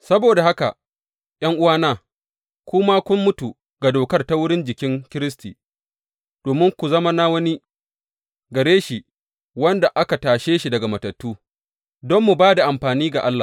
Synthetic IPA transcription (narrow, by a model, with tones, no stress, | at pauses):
sɐ˦boː˨da˨ha˦ka̰˨ | j̰ɐ˦ŋʔʊ˦waː˦naː˦˨ | kʷʊ˦ma˦kʷʊ˦mːʊ˦tu˨ | ɡa˨doː˨kɐ˦rta˦wʊ˦ɽɪ˦nd͡ʒɪ˨kʲɪ˦ŋkʲɪ˦ɾɪ˦s̬tḭː˨ | d̥oː˨mɪ˦ŋkʷu˨zɐ˦ma˦na˦wɐ˦ni˦ | ɡɐ˨ɽeː˦ʃi˨ | wɐ˦nda˨ʔa˦ka˨taː˨ʃeː˦ʃi˨dɐ˨ɡa˨mɐ˨tɐ˨tːuː˦ | dɔ˦mːu˨baː˦da˨ʔa˨mɸaː˨niː˦ɡa˨ʔa˦lːa̰˨